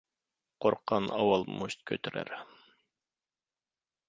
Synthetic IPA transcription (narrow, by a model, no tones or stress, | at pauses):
qʰoɾqʰːɑnɑ̰wɑlˠmuɕt̪̚kʲʰøt̪ʰyɾæ̰ɾ